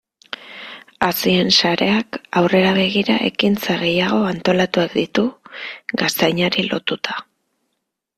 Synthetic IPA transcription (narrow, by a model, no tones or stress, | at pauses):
asie̞nsaɾe̞akawre̞ɾaβe̞ɣ̞iɾaʔe̞̰kint͡saɣ̞e̞jaɣ̞o̞ant̪o̞lat̪uakd̪it̪uɣast̪ajɲaɾilo̞t̪ut̪ḁ